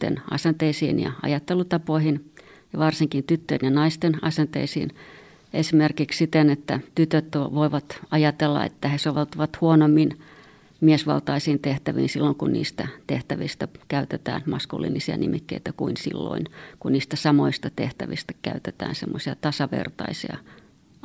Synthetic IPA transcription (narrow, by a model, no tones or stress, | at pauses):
t̪ḛnɑ̰sent̪eisḭːnjɑ̰ɑ̰jɑt̪ːelut̪ɑpoihinjɑʋɑrsiŋkint̪yt̪ːøːnjɑnɑist̪enɑsent̪ḛisḭːn | esimerkikssit̪enet̪ːæt̪yt̪øt̪ːoʋoiʋɑt̪ɑjɑt̪elːɑ̰ḛt̪ːæhesoʋelt̪ɑʋɑt̪huonomːin | miesʋɑ̰lt̪ɑisiːnt̪eht̪æʋḭːnsilːoŋkunnḭːst̪æt̪eht̪æʋist̪ækæyt̪et̪æ̰ːnmɑskṵlːḭnisiɑ̰nimikːḛit̪ækuinsḭlːo̰inkunniːst̪æsɑmoist̪ɑt̪eht̪æʋist̪æ̥kæyt̪et̪æ̰ːnsemːosiɑt̪ɑsɑʋḛrt̪ɑ̰isḭɑ̰